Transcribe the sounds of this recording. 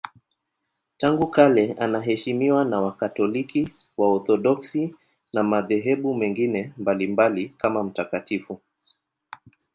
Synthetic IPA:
taŋɡukalɛanaɦɛʃimiwanawakatɔliki | waɔθɔɗɔksi | namaðɛɦɛɓumɛŋɡinɛmbalimbalikamam̩takatifu

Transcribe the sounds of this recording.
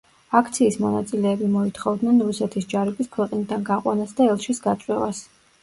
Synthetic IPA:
ak̚ʰt̪sʰiːsmɔnat̪sʼilɛːbimɔit̪ʰχɔvd̪nɛnɾusɛt̪ʰisd͡ʒaɾikʼiskʰwɛqʼnid̪anɡaqʼwa̰nasd̪aɛlˠʃisɡat̪sʼwɛva̰s

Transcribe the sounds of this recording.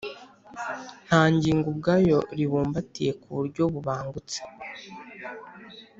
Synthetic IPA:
n̥haːɲɟiːŋɡub̚ɡaːjo̞ɾiβuːmbatije̞kuβuɾɟo̞βuβaːŋɡut͡se̥

